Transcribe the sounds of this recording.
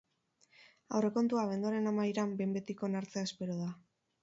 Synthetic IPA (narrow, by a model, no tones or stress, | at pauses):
a̰wre̞ko̞nt̪uaβ̞e̞nd̪oaɾe̞namajɾambembe̞t̪iko̞naɾt͡seaespe̞ɾoð̞a